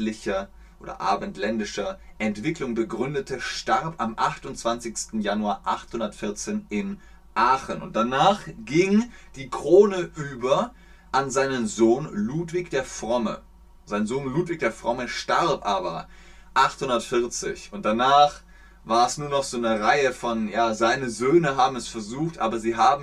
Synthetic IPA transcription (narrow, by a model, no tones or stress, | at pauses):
lɪçɐ | ʔo̰ːdɐ̰ʔa̰ːbəntʰlɛndɪʃɐ | ʔɛntv̥ɪklʊŋbəɡʁʏndətʰəʃtaʁpamʔaχtʊntt͡sv̥ant͡sɪçstn̩januaːɐʔaχthʊndɐtfɪɐt͡seːnɪn | ʔaːχənʊ̰nt̚d̥anaːχɡ̥ɪŋd̥iːkʁ̥oːnəʔyːbɐ | ʔanzaɪnənzoːnluːtv̥ɪkd̥eːɐfʁ̥ɔmə̰ | z̥aɪnzoːnluːtv̥ɪk̚d̥eːɐfʁ̥ɔməʃtaʁpʔaːbɐ | ʔaχthʊndɐtfɪɐt͡sɪ̰çʊnt̚d̥anaːχ | vaːɐɛsnuːɐnɔχz̥oːnəʁaɪəfɔnjaːzaɪnəzøːnəɦaːbm̩ɛsfɛɐzuːxtʔa̰ːbɐziːɦaːbm̩